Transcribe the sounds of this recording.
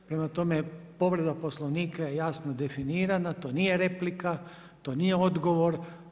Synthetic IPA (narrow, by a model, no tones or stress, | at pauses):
pɾe̞mat̪o̞me̞po̞ʋɾe̞d̪aposlˠoʋniːkajejaːsnod̪e̞finiːɾanat̪o̞ːniːje̞ɾe̞plika | t̪o̞ːniːje̞o̞d̪ɡo̞ʋo̞ɾ